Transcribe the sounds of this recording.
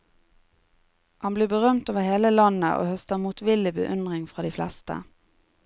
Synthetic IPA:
hɑnbliːbəʁœmt̪oːʋəheːləlɑnə̰ʔo̰ːhœst̪əmuːt̪ʋɪlɪbə̰ʔʏnʁɪŋfʁɑːd̪iːflɛst̪ə̰

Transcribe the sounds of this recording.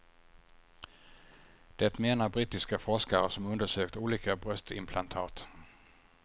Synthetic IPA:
d̪̥ɛt̪meːnaɾbɾiːt̪ɪskafɔʂkaɾəsɔmɵnd̪əʂøːkt̪uːliːkabɾœst̪ɪ̰mpʰlant̪ʰɑ̰ːt̪

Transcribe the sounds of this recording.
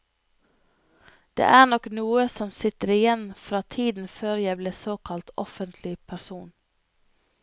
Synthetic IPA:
d̪̥ḛːʔæːnɔknuːəsɔmsɪt̪əɾɪjɛnfɾɑːt̪ʰiːd̪n̩føːɾjæɪbleːsoːkʰɑlt̪ɔ̰fənt̪ʰlɪpʰæɾsuːn

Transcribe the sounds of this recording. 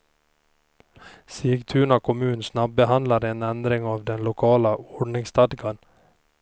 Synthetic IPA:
siːɡt̪ʰʉːɳɑkʰʊmʉːnsnɑb̚bəhɑnd̪lɑɾeːnænd̪ɾɪŋɑːʋd̪ɛnlʊkʰɑːləɔɖɳɪŋst̪ɑd̪ɡɑn

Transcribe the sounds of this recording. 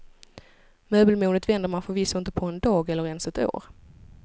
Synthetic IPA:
møːbəlmuːnət̪vɛnd̪əɾmanfœɾviːsːaɪnt̪əpʰɔɛnd̪ɑːɡɛlːəɾɛnsɛt̪o̰ːɾ

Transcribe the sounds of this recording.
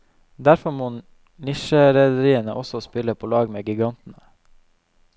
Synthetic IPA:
d̪æɾfɔmoː | nɪʃəɾɛd̪əɾiːənəʔɔsɔspɪləpʰoːlɑːɡmeːɡɪɡɑnt̪n̩ə

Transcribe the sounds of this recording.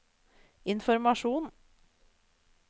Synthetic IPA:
ɪnfɔɾmɑʃuːn

